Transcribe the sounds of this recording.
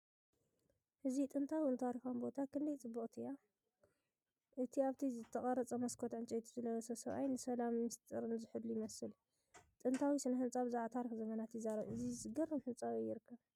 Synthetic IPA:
hɨzit̪ʼɨnt̪ʰawiɨnt̪ʰaɾixambo̞t̪ʰakʰɨnd̪ɐjt͡sʼɨbːɨχʼt̪ʰɨjːa | ʔɨt̪ʰiaβt̪ʰizɨt̪ʰːɐχʼɐɾɐt͡sʼɐmɐskʰot̪ʕɨnt͡ʃʼɐjt̪ʰuzɨlɐɐsɐsɐβʔa̰jnɨsɐlamːɨst̪ʼɨɾɨnzɨħɨd̪lːujɪmɐsɨl | t̪ʼɨnt̪ʰawisɨnɐhɨnt͡sʼaβzɨʕat̪ʰaɾixzɐmɐnat̪jɪzːaɾɐβʔɨzizɨɡɐrɐmħɨnt͡sʼaβjɪɾɨkʰːɐβ

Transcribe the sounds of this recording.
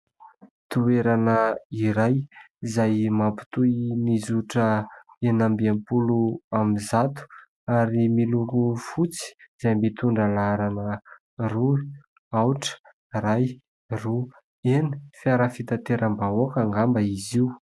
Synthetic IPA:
t̪ueɾanəiɾaj | zajmapu̥t̪ujnizuʈ͡ʂə | enambiampuluamizat̪u̥ | aɾimilukufut͡si̥z̥ajmbit̪uɳɖ͡ʐəlaɾanə | ru | awʈ͡ʂə̥ | ɾaj | ru | enifjaɾəfit̪at̪eɾəmbaokaŋɡambəiziu

